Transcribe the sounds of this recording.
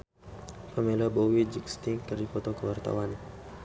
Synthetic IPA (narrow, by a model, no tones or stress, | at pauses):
pəmelabowid͡ʒikst̪iŋkəɾikɔt̪okəwart̪a̰wan